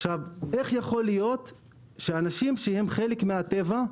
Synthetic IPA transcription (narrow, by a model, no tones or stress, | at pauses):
aʃave̞χjaχo̞lijo̞t̪ | ʃeanaʃimʃehe̞mχelekmeat̪e̞va